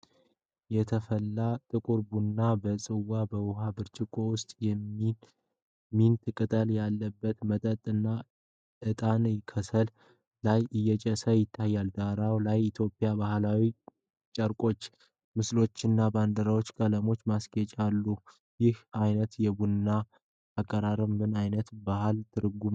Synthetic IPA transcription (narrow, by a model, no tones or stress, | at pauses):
jɛt̪ʰəfəlːat̪ʼɨkʼuɾbunːabəsʼɨwabəwɦabɨɾt͡ʃʼɪkʼo̞wʊst̪ʼjɛmːi | mint̪ʰɨkʼɨt̪ʼəljalːəbːət̪mət̪ʼət̪ʼːɨnːa | ʔɨt̪ʼanjɪkʰəsəl | lajʔɨjːɛt͡ʃʼəsəjɪt̪ʰːajːald̪aɾawlajɪt̪ʰjo̞pʼːijabahlawi | t͡ʃʼəɾkʼo̞t͡ʃː | mɨslo̞t͡ʃːɪnːaband̪əɾawo̞t͡ʃːkʼələmo̞t͡ʃːmaskʼɛt͡ʃʼalːu | jɪhajnət̪jɛbunːa | akʼːəɾaɾəmɡɨnajnət̪bahalt̪ʰɨɾɡum